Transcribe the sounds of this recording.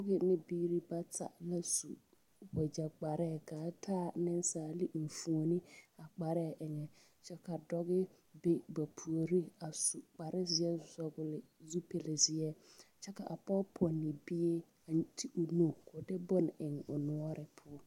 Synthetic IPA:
dɔ˦ɡɪ˦nɪ̃˦biː˦ɾi˦ba˦tʰa̰˨la˦sṵ˨ | wɛ˨d͡ʒa˨k͡pa˨ɾɛː˦˨kaː˨˦tʰaː˦nɪ̃˦n˦saː˦˨li˦m̩˨fũ˨o˨nĩ˦a˨k͡pa˨ɾɛː˦˨ʔɛ˨ɲɛ˨ | t͡ʃɛ˦ka˨dɔ˦ɡɪ˦ | bɪ˦ba˨pʰu˨o˨ɾi˦a˨su˨k͡pa˨ɾɪ˦zɪ˨ɛ˦zɔ˦bʊ˨lɪ˨zu˦pʰe˨lɪ˨zɪ˨ɛ˦t͡ʃɛ˦ka˨ʔa˨pɔ˦pʰɔ˨nɪ̃˨bi˦e˦ | a˨n˦tʰi˦ʔʊ˨nõ˨kʰʊ˨dɪ˦bɔ˦n˨ɪ˨ŋ˨o˨nʊ̃˦ɔ˦ɾɪ˦pʰʊ˦ɔ˦

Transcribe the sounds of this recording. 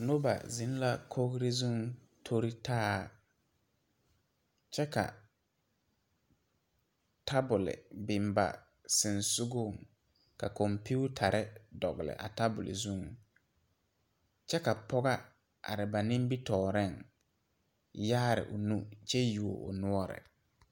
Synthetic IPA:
no˦ba̰˨zɪ˨˦n˦la˦kʰo˦ɡɾɪ˦zu˦ŋ | tʰo˦ɾi˦tʰaː˦˨ | t͡ʃɛ˦ka̰˨ | tʰa˦bʊ˨lɪ̰˨bɪ˨mba̰˨ | sɪ˨nsʊ˦ɡʊ˦˨ŋ | ka˨kɔ˨mpu˦u˦tʰa˨ɾɪ˦dɔ˨ɣɪ˨lɪ̰˨ʔa̰˨ta˦bʊ˨lɪ̰˨zu˦ŋ | t͡ʃɛ˦ka˨pɔ˦ɣa˦ | a̰˨ɾɪ˨ba˨nɪ̃˦mbi˦tɔː˨ɾɛ˦˨ŋ | jaː˦ɾɪ̰˨ʔʊ˨nu˦t͡ʃɛ˦ju˨o̰˨ʔʊ̰˨nʊ˦ɔ˦ɾɪ̰˨

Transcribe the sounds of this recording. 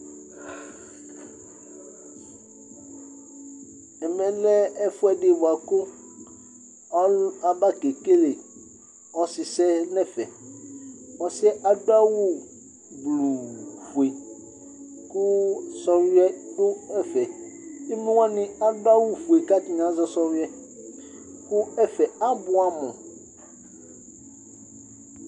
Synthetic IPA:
ɛ˨mɛ̃˨lɛ˦ɛ˦fu˦ɛ˦ɖe˦wo˨a˨ko˦ | a˦la˨ba˦ke˨ke˦le˨ | ɔ˨si˨sɛ˦nɛ̃˦˨fɛ˨ | ɔ˨si˦ɛ˦ʔa˨do˦a˦wu˦ | blu˨fu˨e˨ | ku˦sɔ˦ɾi˦ɛ˦ku˦ɛ˦fɛ˨i˦mũ˦wa˦nĩ˦a˨do˦a˦wu˦fu˨e˨ka˦t̪i˦ɲ˨ã˨˦zɔ˦sɔ˦ɾi˦ɛ˦ | ku˦ɛ˦fɛ˨a˦bu˦a˦˨mɔ̃˨

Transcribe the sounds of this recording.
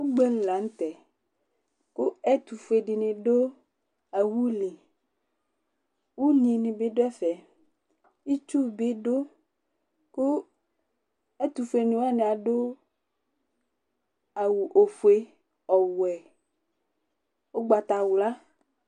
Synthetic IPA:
wo˦ɡ͡be˦n̩˦˨la˨˦ŋ̩˦t̪ɛ˨ | ku˦ɛ˦t̪u˨fu˨˦e˨ɖi˨nĩ˨ɖo˦ | a˨wu˦li˨ | wu˦ɲĩ˨nĩ˨be˦ɖo˦ɛ˦fɛ˨ | i˦t͡ʃu˦˨be˦ɖo˦ | ku˦ | ɛ˦t̪u˨fu˨˦e˨nĩ˨wa˦nẽ˨a˨ɖo˦ | a˨wu˨ʔo˨fu˨e˦ | ɔ˨wɛ˨ | wo˦ɡ͡ba˨t̪a˨wla˦

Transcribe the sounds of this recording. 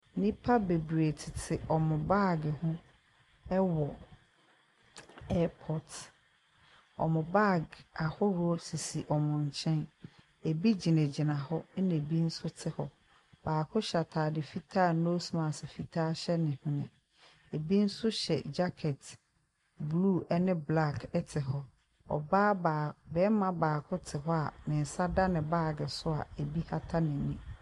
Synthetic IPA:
nĩ˦pʰa˦be˨bɾe˨tʰɪ˨tʰɪ˨ʔɔ˨mʊ̃˨ba˦˨ɡɪ˨hʊ̃˦ | ɛ˦wɔ˨ | ɛː˦pʰɔ˨t | ɔ̰˨mʊ̃˨ba˦˨ɡa˨hɔ˦ɾɔ˦si˨si˨ʔɔ˨mʊ̃˨ɲ̩˨t͡ɕʰɛ̃˦n | e˨bi˦d͡ʑi˨nẽ˨d͡ʑi˨nã˨hɔ˦nẽ˨bi˦n̩˦sʊ˦tʰɪ˦hɔ˨ | b̥aː˨kʰʊ̃˦ɕa˨tʰaː˨dɪ˨fi˦tʰaː˦˨˦no˦smã˨sɪ˨fi˨tʰaː˦ɕɛ˦nɪ̃˨hʊ̃˦nɪ̰̃˨ | e˨bi˦n̩˦sʊ˦ɕɛ̰˨d͡ʑa˦kʰɛ˨t | bluː˦ɛ˦nɪ̃˦bla˦˨kʰɛ˦tʰɪ˨ɦɔ˦ | ɔ̰˨baː˦bbɛː˦mã˦baː˨kʰʊ̃˦tʰɪ˨ɦɔ˦a̰˨nɪ̃˨n̩˨sa˦da˦nɪ̃˨baː˦˨ɡɪ˨sʊ˦a̰˨e˨bi˦ha˦tʰa˦nɪ̃˨nĩ˦

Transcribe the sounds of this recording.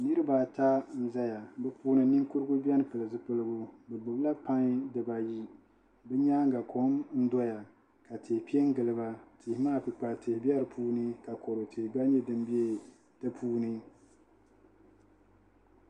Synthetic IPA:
nɨ˦ɾɨ˦ba˨ta˦n̩˦za˦ja˨bɛ˦puː˦nɨ˦nɨ˦ŋku˦ɾɨ˦ɡu˦bi˦ɛ˦nɨ˦pɨ˨lɨ˨zɨ˦pɨ˦lɨ˦ɡʊ˦bɛ˨bʊ˨bla˦pa˦ŋ˦dɨ˨ba˨ji˦ | bɛ˦ɲa˦ŋ˦ɡa˨kʰo˨˦mn̩˦dɔ˦ja˨ | ka˨te˨hpi˦e˦ŋ˦ɡɨ˨lɨ˨ba˦tʰe˨hmaː˦˨pi˨k͡pa˨te˨hbɛ˦ɾɨ˨pʰuː˦nɨ˦ka˨ko˨ɾo˨tʰe˨ɡ͡ba˦ɲɛ˦dɨ˦m˦bi˦e˦ | tɨ˦pʰuː˦nɨ˦

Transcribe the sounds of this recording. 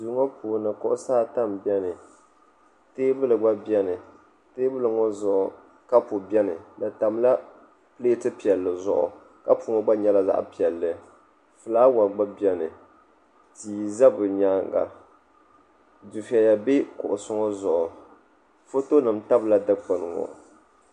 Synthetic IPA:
duː˨˦ŋɔ˦pʰuː˨nɨ˨kʊ̰˦ʔʊ˦saː˦ta˦mbi˦ɛ˦nɨ˨ | teː˦bɨ˦lɨ˨ɡ͡ba˦bjɛ˦nɨ˨ | teː˦bɨ˦lɨ˨ŋɔ˦zʊ˨ʔʊ˨ | ka˦pʊ˨bɛ˦nɨ˨da˨ta˨m˦la˦ | pɨ˦le˦tɨ˦pi˨ɛ˨lːɨ˨zʊ̰˦ʔʊ̰˨ | ka˦pʊ˨˦ŋɔ˦ɡ͡ba˦ɲɛ˦la˦za̰˦ʔpi˨ɛ˨lːɨ˨ | fɨ˨laː˦wa˨ɡ͡ba˦bi˦ɛ˦nɨ˨ | tiː˨za˦bɨ˨ɲaː˦ŋɡa̰˨ | du˨fi˨ɛ˨ja˨be˦kʊ̰˨ʔʊ˨sʊ˦ŋɔ˦zʊ˨ʔʊ˨ | fo˦to˦nɨ˨mta˦bla˦dɨ˦k͡pa˨nɨ˨ŋɔ̰˨

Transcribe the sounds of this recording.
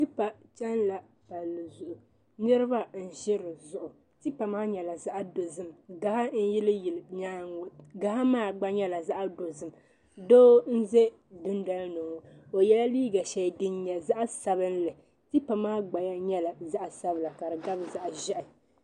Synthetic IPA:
tɨ˦pa˨t͡ʃɛ˦nla˨ | pa˨lːɨ˨zʊ˨ʔʊ˨ | nɨ˦ɾɪ˦ba˦n̩˨ʒɪ˦ɾɨ˨zʊ˨ʔʊ˨ | tɨ˦pa˨maː˦ɲɛ˨la˨za˦ʔa˦do˨zɨ˦mɡa˨ha˦n̩˦jɪ˦lɨ˦jɪ˨lɲaː˦˨ɡa˨ha˦maː˦ɡ͡ba˦ɲɛ˦la˨za˦ʔdo˨zɨ˦m˨ | doː˦n̩˦zɛ˦ | dʊ˦n˦da˦lnoː˨ | o˨jɛ˦la˦liː˦ɡa˨ʃɛ˨dɨ˦nɲɛ˨za˦ʔa˦sa˨bɨ˦n˦lɨ˨ | tɨ˦pa˨maː˦ɡ͡ba˨ja˦ɲɛ˦la˨za˦ʔa˨sa˦bla˨ka˨ɾɨ˨ɡa˦bza˦ʔʒɛ˦ʔɪ˨

